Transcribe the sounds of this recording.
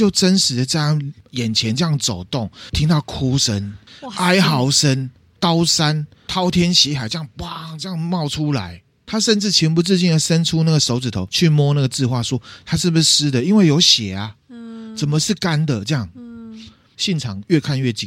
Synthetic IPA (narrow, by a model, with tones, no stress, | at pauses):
t͡ɕjo˥˩ʊt͡sə˦nʂɻ̩˨˦d̪ə˨ə˥˧jɑ˥˩ŋjɛ˨˩nt͡ɕʰjɛ˧˦nʈ͡ʂɤ˥˧jɑ˥˩ŋt͡so˨˩ʊt̪o˥˩ŋt̪ʰi˦˥ŋt̪ɑ˥˩ʊkʰu˦ʂə˦na˥ɪxɑ˨˩ʊʂə˦˥n | kɑ˦˥ʊsa˦n | t̪ʰɑ˥ʊt̪ʰjɛ˥nɕi˧˥ɦa˨˩ɪt͡ɕjɑ˥˧ŋpwa˨ŋt͡sə˥˧jɑ˥˨ŋmɑ˥˩ʊʈ͡ʂʰu˦la̰˨˦ɪ | t̪ʰa˥ʂə˥˧nt͡sɻ̩˥˩t͡ɕʰi˧˥ŋpu˧t͡s̩˥˧t͡ɕi˥˩nd̪ə˨˩sə˦nʈ͡ʂʰu˥˦na˥˩ɡə˩so˧˥ʊt͡s̩˨˩t̪ʰo˨˦ʊt͡ɕʰy˥˩mwɔ˥na˥˩ɡə˩t͡sɹ̩˥˧xwa˥˩swɔ˦t̪ʰa˥˦ʂɻ̩˥˩bɨ˨ʂ̩˥˧ʂɹ̩˥d̪ə˨i˦nwe˥˩ɪjo˧˥ʊɕjɛ˨˩a˦t͡sə˨˩mə˨ʂɻ̩˥˩ka˦˥nd̪ə˨t͡sɤ˥˧jɑ˥˩ŋ | ɕjɛ˥˩nʈ͡ʂʰɑ˨˩ŋɥɛ˥˧kʰa˥˧nɥɛ˥˩t͡ɕḭ˨